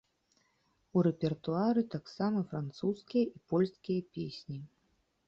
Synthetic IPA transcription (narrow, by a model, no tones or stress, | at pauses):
uɾɛpʲɛrt̪uaɾɨt̪aksamɐfɾant̪suskʲijɐʔipɔlʲskʲijɐpʲesʲnʲi